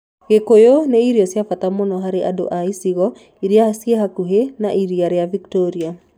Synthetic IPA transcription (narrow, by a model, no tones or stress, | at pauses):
ɣekojoneiɾjosjafat̪amonɔɦaɾeʔado̰ʔaisiɣɔ | iɾiasieɦakuɦena̰ʔiɾiaɾejaviktɔɾia